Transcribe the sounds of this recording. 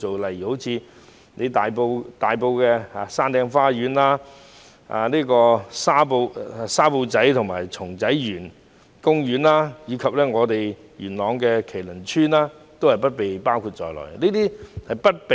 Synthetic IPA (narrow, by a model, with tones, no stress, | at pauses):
o˨wlɐ˨jiː˨˩ho˨˥wt͡sʰiː˨˧ | ne˨˧jt̪aː˨jpo˧wt̪aː˨jpo˧wkɛː˧a˧saː˥nt̪ɛː˧ŋfaː˥ɥyː˨˧˥nlaː˥ | a̰ː˧niː˥kɔː˧saː˥po˧wsaː˥po˧wt͡sɐ˨˥jt̪ʰʊ˨ŋmaː˨˩jt͡sʰʊ˨˩ŋt͡sɐ˨˥jjyː˨˩n | kʊ˥ŋɥyː˨˥nlaː˥jiː˨˧kʰɐ˨p̚lɛː˥ŋɔː˨˧t̪e˨j | ɥyː˨˩nlɔː˨˧ŋkɛː˧kʰe˨˩lɵ˨˩nt͡ʃʰyː˥naː˥ | t̪o˥whɐ˨˩jpɐ˥t̚pe˨jpaː˥wkʰu˧t̚t͡ʃɔː˨jlɔ̰ː˨˩jniː˥t̪iː˥hɐ˨jpɐ˥t̚pe˨